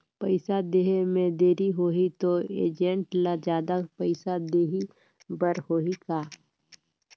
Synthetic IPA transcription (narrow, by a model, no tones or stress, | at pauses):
pəɪsad̪eːɦemẽd̪eːɾiɦoːɦit̪oḛːd͡ʒẽɳʈlad͡ʒjaːd̪apəɪsad̪eːɦi | bəɾhoːikaː